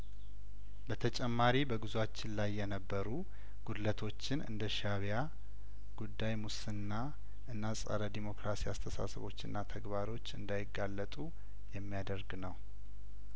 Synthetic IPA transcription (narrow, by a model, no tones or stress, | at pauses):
bət̪ʰət͡ʃʼɛmːaɾibəɡɨzuat͡ʃːɪnlajːɛnəbːəɾu | ɡ̥ud̪lət̪ʰo̞t͡ʃːɪnɨ̰nd̪əʃaβja | ɡ̥ud̪ːajmusɨnːa | ʔɨnːasʼa̰ɾəd̪imo̞kɾasiast̪ʰəsa̰səβo̞̰t͡ʃːɨnːat̪ʰəɡbaɾo̞t͡ʃːɨnd̪ajɪɡːalːət̪ʼu | jɛmːijad̪əɾɡnəw